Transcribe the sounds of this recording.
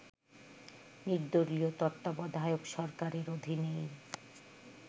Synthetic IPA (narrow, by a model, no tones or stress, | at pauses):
niɾd̪oɾliot̪ɔt̪ːabɔd̪ʱaeokʃɔɾkaɾeɾod̪ʱinej